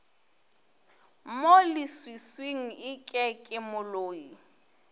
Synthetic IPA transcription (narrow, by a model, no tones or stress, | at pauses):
molɪswisweŋ̩ɪkʼɛkʼɪmʊloːi